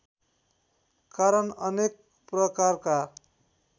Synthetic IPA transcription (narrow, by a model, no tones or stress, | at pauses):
kaɾʌnʌnek̚ | prʌkarka